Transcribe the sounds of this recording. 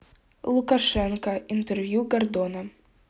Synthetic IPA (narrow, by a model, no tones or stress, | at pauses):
lˠʊkɐʂɛnkɐint̪ɛrvʲjuɡɐrd̪ɔnɐ